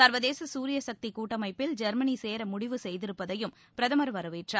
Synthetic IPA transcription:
sɐɾʋɐðeːsɐsuːɾɪjɐsɐk̚t̪ikuːʈːɐmɐɪpːɪld͡ʒɐɾmɐniseːɾɐmʊɽɪʋɯsɛjðɪɾɯpːɐðɐjɯm | pɪɾɐðɐmɐɾɯʋɐɾɯʋɪʈrɐ

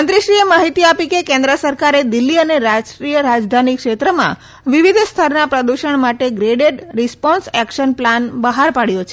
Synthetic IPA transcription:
ənt̪ɾiʃɾiemaɦit̪iapikekẽnd̪ɾəsəɾkaɾed̪ilːiəneɾad͡ʒʈɾijəɾad͡ʒd̪ʱanikʃet̪ɾəmã̰ | ʋiʋid̪ʱst̪ʰəɾnapɾəd̪uʃəɳmaʈeɡɾeɖeɖɾispɔnsɛkʃənplanbəɦaɾpaɽjot͡ʃʰe

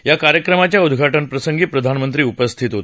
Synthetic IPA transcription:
jakaɾjəkɾəmat͡ɕjaud̪ʱɡʱaʈənpɾəsəŋɡiːpɾəd̪ʱanmənt̪ɾiːupəst̪ʰit̪ɦot̪e̥

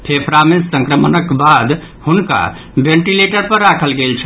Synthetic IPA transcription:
pʰepʰɾamesəŋkɾəmənəkbad̪ | hunka̰ | bẽɳʈileʈəɾpəɾːakʰəlɡelt͡ʃʰə

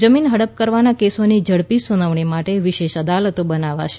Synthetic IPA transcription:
d͡ʒəminɦəɽəp̚kəɾʋanakesonid͡ʒəɽpisunəʋɳ̃imaʈeʋɪʃeʃəd̪alət̪obənaʋa̰ʃe̥

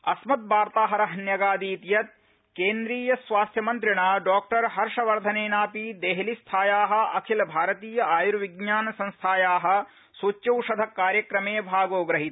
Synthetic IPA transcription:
ɐsmɐt̪̚baːɾt̪aːɦɐɾɐɦɐnjɐɡaːd̪iːt̪jɐt̪̚ | keːnd̪ɾiːjɐsʋaːst̪ʰjɐmɐnt̪ɾiɳaːɖɔːk̚ʈɐɾɦɐɾʂɐʋɐɾd̪ʱɐneːnaːpid̪eːɦlist̪ʰaːjaːɦɐ̆ɐkʰilɐbʱaːɾɐt̪iːjɐaːjuɾʋiɡ̚ɲaːnɐsɐ̃nst̪ʰaːjaːɦɐ̆ | sot͡ʃːjɐwʃɐd̪ʱɐkːaːɾjɐkɾɐmeːbʱaːɡoːɡɾɐɦit̪

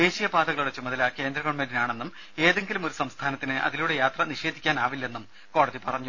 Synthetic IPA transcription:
d̪e̞ːɕijɐbaːd̪ɐɣɐɭuɽe̞t͡ɕumɐðɐlake̞ːnd̪rɐkoɳmenɖinaːɳe̞nːum | e̞ːðe̞ŋɡilumo̞ɾusɐmst̪ʰaːnɐt̪ːinɨʔɐ̰ðiluːɽe̞jaːt̪rɐniɕe̞ːd̪ʱikʲːaːnaːʋilːɐe̞nːum | ko̞ːɽɐðipɐrɐɲːu

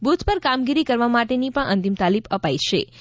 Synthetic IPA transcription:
but̪pəɾkamɡiɾikəɾʋamaʈenipəɳʔə̰nt̪imt̪alibəpajʃʰe

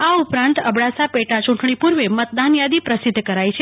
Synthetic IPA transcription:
aupɾãnt̪əbɽasapeʈat͡ʃũʈɳ̃ipuɾʋemət̪̚d̪anjad̪ipɾəsɪd̪ʱːkəɾajt͡ʃʰe

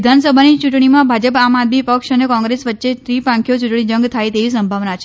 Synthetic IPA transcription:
id̪ʱansəbʱanit͡ʃuʈɳ̃imãbʱad͡ʒəpamad̪mipəkʃənekɔ̃ŋɡɾesʋət̪ːʃet̪ɾipãŋkʰjot͡ʃuʈɳid͡ʒə̃ŋɡt̪ʰajt̪eʋisəmbʱaʋnat͡ʃʰe

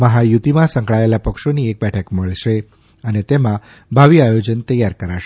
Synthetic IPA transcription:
məɦajut̪imãsə̃ŋkɭaelapəkʃoniek̚bɛʈʰəkməɭʃe | ənet̪emã | bʱaʋiajod͡ʒənt̪əjaɾkəɾaʃe

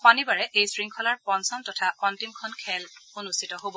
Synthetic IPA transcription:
xanibaɹɛʔejsɹiŋkʰɔlaɹpɔnsɔntɔtʰaʔɔntimkʰɔnkʰɛlonustʰitɔɦobɔ

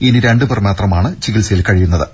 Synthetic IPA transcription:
iniɾe̞ɳɖɨbɨrmeːt̪rɐmaːɳɨt͡ɕiɡilsɐjilkɐɻijunːɐðɨ

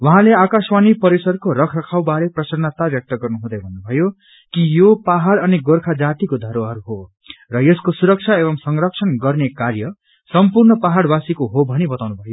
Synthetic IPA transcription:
wʌɦãleakaswanipʌɾisʌrkoɾʌkʰrʌkʰawbaɾeprʌsʌrnat̪abjʌk̚t̪ʌɡʌrnuɦũd̪ʌjbʱʌnːubʱʌjo | kijopaɦaɽʌniɡorkʰad͡zat̪ikod̪ʱʌɾoɦʌɾuɦo | rʌjeskosuɾʌk̚t͡sʰaebʌmsʌŋrʌk̚sʰʌnɡʌrnekarjʌ | sʌmpurnʌpaɦaɽbasikoɦobʱʌnibʌt̪awnubʱʌjo

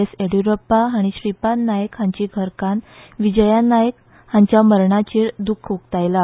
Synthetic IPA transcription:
eseɽjuɾəpːaaɽ̃iɕɾipanajəkhãɲt͡ɕiɡʱəɾkãnʋid͡ʑəjanajək | hãɲt͡ɕjaməɾɳat͡ɕiːɽd̪ukʰukt̪ajla

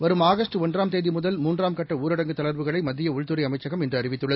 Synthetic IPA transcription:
ʋɐɾɯmaːɣɐstʈɯɔndraːmt̪eːðimʊðɐlmuːndraːmkɐʈːɐuːɾɐɽɐŋɡɯt̪ːɐɭɐɾʋɯɣɐɭɐɪmɐd̪ːɪjɐʊɻt̪ɯɾɐɪɐmɐɪt͡ʃːɐɣɐmɛndrɯɐɾɪʋɪt̪ːɯɭːɐð

